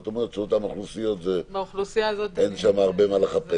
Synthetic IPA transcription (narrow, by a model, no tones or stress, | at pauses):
t̪omeʁet͡sot̪amoχlusijo̞t̪vebaχlusijazot̪enʃamaːʁbe̞maleχape